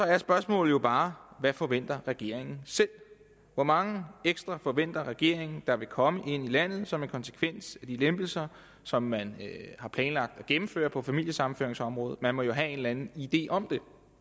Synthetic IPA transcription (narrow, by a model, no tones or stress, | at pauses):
sɒ̽ɐɐsb̥ɶɐsmɔ̰̽ːl̩jo̝b̥ɑ̈ːʋæfɒ̽ʋen̰d̥ɐʁɛɡ̥e̝ɐ̰e̝ŋn̩sel̰ | ʋɒmɑ̈ŋəeɡ̥sd̥ʁɑ̈fɒ̽ʋen̰d̥ɐʁɛɡ̥e̝̰ɐ̰e̝ŋn̩d̥ɑ̈ʋe̝kʰɒ̽məʔe̝n̰ilæn̰ð̞̩ˠsɒ̽me̝nkʰɒ̽nsə̥kʰʋen̰sæd̥ilemb̥l̩sɐ | sɒ̽mːænhɑ̈pʰlɛːnlɑ̈ɡ̥̚d̥ɒ̽ɡ̥emm̩fø̰ːɐpʰɒ̽fæmil̰jəsɑ̈mn̩fø̰ɐeŋsɒ̽mʁɔ̽ːð̩ˠmænmɒ̽jo̝ɦæe̝nlænn̩id̥e̝̰ːʔɒ̽md̥e̝